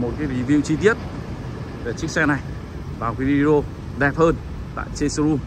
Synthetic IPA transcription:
mo˨˩t̚kaː˨˦jvi˨˦vḭ˧˨wt͡ɕi˧t̪̬i˦˥ət̚ | ve˨˩t͡ɕɨ˦˥k̚sɛ˧na˨˩j | vaː˨˩wka˨˦jvi˧ɗo˧ | zɛ˨˩p̚həː˧n | t̪a̰ː˧˨jt͡ɕe˧sə˧ɾu˧m

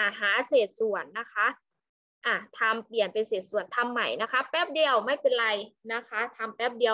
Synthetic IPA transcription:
ʔa˨˩ɦaː˩˦seː˨˩t̪̚su˨˩˦ənːa˦˥kʰa˦˥ʔ | ʔaː˧˩t̪ʰa˧mpli˨˩ənpa˧nseː˨˩t̪̚su˨˩ənt̪ʰa˧mːa˨˩jna˦˥kʰa˦˥pɛː˦˥˩p̚di˧əwma˦˥˩jpe˧nɾa˧jna˦˥kʰa˦˥t̪ʰa˧mpɛː˦˥˩p̚di˧əw

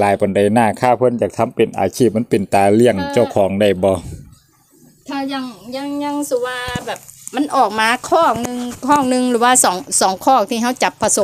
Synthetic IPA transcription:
laː˨˦jpɔ˨˦nda˨˩jnaː˧˩kʰaː˧˩pʰɤ˧˥˨njaː˨˩k̚t̪ʰa˧˥˨mpe˨nʔa̰ː˨˦t͡ɕʰiː˥˩p̚m˧˥˨pe˨˩nt̪aː˨˧li˧˩əŋt͡ɕa˧˩wkʰɔː˩˦ŋda˧˩jbɔː˧˦ | kʰa˧˩ja˧˩ŋɲa˧˩˨ŋɲa˧˨ŋsu˧˩waː˧bɛː˨˩p̚ma˧˥˨nʔɔː˨˩k̚maː˧kʰɔː˥˩k̚nɯ˧ŋkʰɔː˧˥˩ŋ̚nɯ˧ŋlɯː˩˦waː˧sɔː˩˦ŋsɔː˨˦ŋkʰɔː˥˩k̚t̪ʰiː˧ɦa˧˥˩wt͡ɕa˨˩pʰːa˧so˨˦

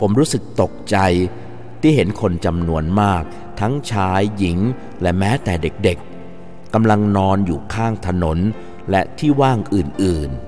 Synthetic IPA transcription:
pʰo˩˦mɾuː˦˥sɯ˨˩k̚t̪o˨˩k̚t͡ɕa˧j | t̪ʰiː˥˩ɦe˩˦nkʰo˧nt͡ɕa˧mnu˧ənmaː˥˩k̚ | t̪ʰa˦˥ŋt͡ɕʰaː˦˥jːi˩˦ŋ | lɛ˦˩mɛː˦˥t̪ɛː˨˩de˨˩k̚de˨˩k̚ː | a˧mla˧ŋnɔː˧njuː˨˩kʰaː˥˩ŋt̪ʰa˧no˩˦n | lɛ˦˥t̪ʰiː˥˩waː˥˩ŋʔɯː˨˩nʔɯː˨˩n

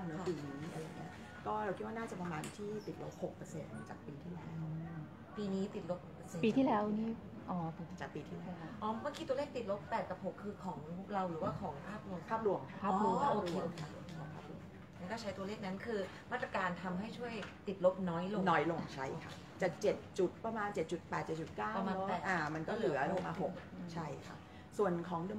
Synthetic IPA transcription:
mɯ˩˦˧piː˧˩niː˦˥ʔa˧ɾa˧ŋi˦˥ɐ | kɔː˥˩ɾa˧wʰkʰi˦˥t̪̚wa˥naː˥˩t͡ɕa˨˩pɾa˧maː˧nt̪ʰiː˥˩t̪i˨˩t̪̚lo̰˦˥p̚ho˨˩k̚pɤ˧se˧nma˥˩t͡ɕa̰ː˨˩k̚piː˧t̪ʰiː˥˩lɛ̰ː˧˦w | piː˧niː˦˥t̪i˨˩t̪̚lo˦˥p̚no˨˩pːəː˧se˧npiː˧iː˥˩lɛː˦˥wniː˥˩ | ʔɔː˨˩pʰo˨˦m˧˩t͡ɕaː˨˩k̚piː˧t̪ʰiː˥˩lɛː˧˦˥ʔɔː˨˩˦mɯ˥˩kiː˧t̪u˧əle˥˩k̚t̪i˨˩t̪̚lo˦˥pːɛː˨˩t̪̚ka˧˩p̚ho˨˩kʰːɯː˧kʰɔː˩˦ŋɾa˧wɾɯː˩˦waː˥˩kʰɔː˩˦ŋpʰaː˥˩p̚lu˧əmpʰaː˥˩p̚lu˧əmkʰaː˦˥˩kɔː˥˩ʔoː˧kʰeː˧kʰa˦˧˩o˧kʰːɔː˩˦ŋpʰaː˥˩p̚ɾṵ˧əmʰ˥na˦˥kɔː˥˩t͡ɕʰa˦˥jt̪u˧le˥˩k̚na˦˥nkʰɯː˧ | maː˥˩t̪̚ɾaː˧kaː˧nt̪ʰa˧mɦa˥˩jt͡ɕʰu˥˩əjt̪i˨˩t̪̚lo˦˥p̚nɔː˦˥jlo˧nɔː˦˥jlo˧ŋt͡ɕʰa˦˥˩jkʰa˦˥ | t͡ɕaː˨˩k̚t͡ɕe˨˩t̪̚t͡ɕu˨˩t̪̚pɾa˧maː˧nt͡ɕe˨˩t̪̚t͡ɕu˨˩t̪̚pɛː˨˩t̪̚t͡ɕe˨˩t͡ɕu˨˩t̪̚kaː˥˩a˧maː˧wɛː˨˩ʔaː˨˩ma˧nkɔː˥˩lɯ˨˧˩ɾo˧maː˧ɦo˨˩k̚t͡ɕʰa˥˩jkʰa̰˦˥˩p̚ | su˨˩ənkʰɔː˩˦ŋdɯ˧

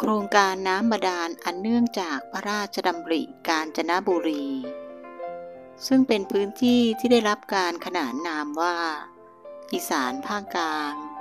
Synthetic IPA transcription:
kʰɾoː˧ŋkaː˧nːaː˦˥mːa˧daː˧nʔa˨˩nːɯ˥˩əŋt͡ɕaː˨˩k̚pʰa˦˥ɾaː˥˩t̪̚t͡ɕʰa˧da˧mɾḭ˨˩kaː˧nt͡ɕa˧na˦˥buː˧ɾiː˧ | sɯ˥˩ŋpe˧npʰɯː˦˥nt̪ʰiː˥˩t̪ʰiː˥˩da˥˩jɾa˦˥p̚kaː˧nkʰa˧naː˩˦n̚naː˧mwaː˥˩ | ʔiː˧˩saː˩˦npʰaː˥˩ŋkaː˧ŋ

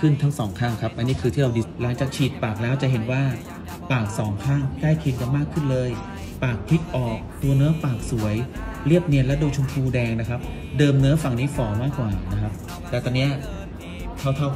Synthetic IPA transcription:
kʰɯ˥˩nt̪ʰa˦˥ŋsɔː˩˦ŋkʰaː˥˩ŋkʰa˦˥p̚ʔa˧nːiː˦˥˩kʰɯː˧t̪ʰiː˥˩ɾa˧wdiː˧la˩˦ŋt͡ɕaː˨˩k̚t͡ɕʰiː˨˩t̪̚paː˨˩k̚lɛː˦˥wt͡ɕa˨˩ɦe˨˩˦nwaː˥˩ | paː˨˩k̚sɔː˩˦ŋkʰaː˥˩ŋkla˥˩jkʰi˧nka˧nmaː˥˩kʰːɯ˥˩nlɤː˧j | paː˨˩k̚pʰi˦˥k̚ʔɔː˨˩k̚t̪u˧ɐnɯ˦˥ɐpaː˨˩k̚su˩˦əjli˥˩əp̚ni˧ənlɛ˦˥duː˧t͡ɕʰu˧mt̪ʰuː˧dɛː˧ŋna˦˥kʰa˦˥p̚ | dɤː˧mnɯ˦˥ɐfa˨˩ŋniː˦˥fɔː˩˦maː˥˩kwaː˨˩na˦˥kʰa˦˥p̚ | t̪ɛː˨˩t̪ɔː˧ni˦˥ɐ | t̪ʰa˦˥˩wt̪ʰa˥˩w

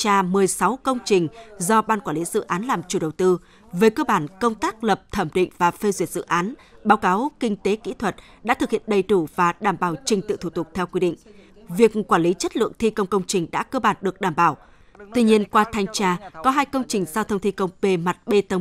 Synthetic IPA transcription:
t͡ɕaː˧mɨ˨˩əjsa˨˦wkə˧wŋ͡mt͡ɕï˨˩ŋ̟zɔ˧ɓaː˧nkwaː˧˩nli˨˦zɨ̰˧˨ʔaː˨˦nlaː˨˩mt͡ɕu˧˩ɗə˨˩wt̪ɨ˧ | vəː˨˦jkəː˧ɓaː˧˩nkə˧wŋ͡mt̪aː˦˥k̚lə˨˩p̚t̪ʰə˧˩mɗḭ˧˨ŋ̟vaː˨˩fe˧zwi˧˩ət̚zɨ̰˧˨ʔaː˨˦nɓaː˨˦wkaː˨˦wkï˧ŋ̟t̪e˨˦kḭ˧˥t̪ʰwə˨˩t̚ | ɗa̰ː˧˥t̪ʰɨ˨˩k̚hḭ˧˨ənɗə˨˩jɗu˧˩vaː˨˩ɗaː˨˩mɓaː˧˩wt͡ɕï˨˩ŋ̟t̪ɨ̰˧˨t̪ʰu˧˩t̪ʊ˨˩k͡p̚t̪ʰɛ˧wkwi˧ɗḭ˧˨ŋ̟ | vi˨˩ək̚kwaː˧˩nli˨˦t͡ɕə˦˥t̚lɨ̰˧˨əŋt̪ʰi˧kə˧wŋ͡mkə˧wŋ͡mt͡ɕï˨˩ŋ̟ɗa̰ː˧˥kəː˧ɓaː˧˩nɗɨ˨˩ək̚ɗaː˧˩mɓaː˧˩w | t̪wi˧ɲi˧ənkwaː˧t̪ʰa˧jŋ̟t͡ɕaː˧kɔ˨˦ɦaː˧jkə˧wŋ͡mt͡ɕï˨˩ŋ̟zaː˧t̪ʰə˧ŋ͡mt̪ʰi˧kə˧wŋ͡mpe˧ma˨˩t̚ɓe˧t̪ə˧wŋ͡m

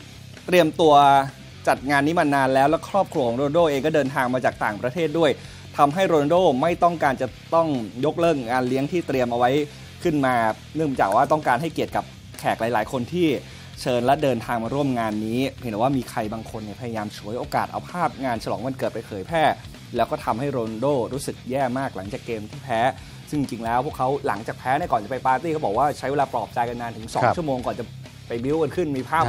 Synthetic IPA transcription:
t̪ɾi˧əmt̪u˧ɐ | t͡ɕa˨˩t̪̚ŋaː˧nːiː˦˥ma˧nːaː˧nlɛː˦˥wlɛ˦˥kʰɾɔː˥˩p̚kʰɾu˧kʰɔ˩˦ŋɾoː˧n˧doː˥˩˨ʔeː˧ŋkɔ˥˩dɤː˧nt̪ʰaː˧ŋmaː˧t͡ɕaː˨˩k̚t̪aː˨˩ŋpɾa˧t̪ʰeː˥˩t̪̚du˥˩əj | t̪ʰa˧mɦa˥˩jɾoː˧na˧doː˥˩ma˥˩jt̪ɔ˥˩ŋkaː˧nt͡ɕa˨˩t̪ɔ˥˩ŋjo˦˥k̚lɤː˥˩ŋŋaː˧nli˦˥əŋt̪ʰiː˥˩t̪ɾi˧əmʔa˧wa˦˥j | kʰɯ˥˩nmaː˧ | nɯ˥˩ə˩ŋt͡ɕa̰ː˨˩k̚waː˥˩t̪ɔ˥˩ŋkaː˧nɦa˥˩jki˨˩ət̪̚ka˨˩p̚ | kʰɛː˨˩k̚laː˨˩˦jla̰ː˩˦jkʰo˧nt̪ʰiː˥˩ | t͡ɕʰɤː˧nlɛ˦˥dɤː˧nt̪ʰaː˧ŋmaː˧ɾu˥˩əmŋaː˧nːiː˦˥e˩˦ndwaː˥˩miː˧kʰɾa˧jbaː˧ŋkʰo˧nːi˧˨˩pʰa˧ja˧jaː˧mt͡ɕʰu˩˦əjʔoː˧ka̰ː˨˩t̪̚ʔa̰˧wpʰaː˥˩p̚ŋaː˧nt͡ɕʰa˧lɔː˩˦ŋma˧nkɤː˨˩t̪̚pa˧jpʰɤː˩˦jpʰɛː˥˩ | lɛː˦˥wkɔː˥˩t̪ʰa˧mha˥˩jɾoː˧ndoː˥˩ɾuː˦˥sɯ˨˩k̚jɛː˥˩maː˥˩k̚la˩˦ŋt͡ɕaː˨˩kːeː˧mt̪ʰiː˥˩pʰɛː˦˥ | sɯ˥˩ŋ˧t͡ɕi˧ŋlɛː˦˥wpʰu˥˩əkʰːa˦˥wla˩˦ŋt͡ɕaː˨˩k̚pʰɛː˦˥n˥˩kɔː˨˩nt͡ɕa˨˩pa˧jpaː˧t̪iː˥˩ka˦˥wbɔː˨˩k̚waː˥˩t͡ɕʰa˦˥jweː˧laː˧pɾɔː˨˩p̚t͡ɕa˧jka˧nːaː˧nt̪ʰɯ˩˦ŋsɔ̰ː˦ŋʰu˥˩moː˧ŋkɔː˨˩nt͡ɕa˨˩ | pa˧jbi˦˥wka˧nkʰɯ˥˩nmiː˧pʰaː˥˩

